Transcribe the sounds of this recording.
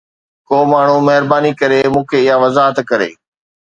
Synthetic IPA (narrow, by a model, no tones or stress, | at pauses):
koːmaːɳ̤ũmɐɦɪɾbaːnikɐɾemũːkʰeɪɦaʋɐzaːɦət̪kɐɾḛː